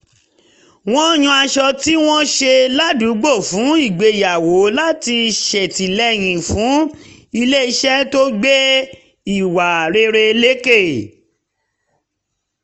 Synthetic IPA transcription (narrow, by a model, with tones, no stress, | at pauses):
w̃ɔ̃˦j̃ũ˧a˧ʃɔ˧ti˦w̃ɔ̃˦ʃe˧la˦du˨˦ɡ͡bo˦˨fũ˨˦i˦˨ɡ͡be˨˧˨ja˨wo˨˦la˦ti˧ʃɛ˨ti˨lɛ˦˨j̃ĩ˨fũ˨˦i˧le˦i˧ʃɛ˦to˦ɡ͡be˦ | i˦˨wa˨ɾe˧ɾe˧le˦ke˦˨